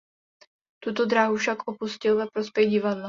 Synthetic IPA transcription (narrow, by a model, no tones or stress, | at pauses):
t̪ut̪od̪ɾaːɦufʃakʔopuscɪlvɛpɾospjɛɣɟɪvadla